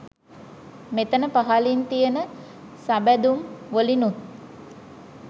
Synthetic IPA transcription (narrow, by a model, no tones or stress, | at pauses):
met̪ənəpaɦalint̪ijənə | sabæd̪umʋolinut̪̚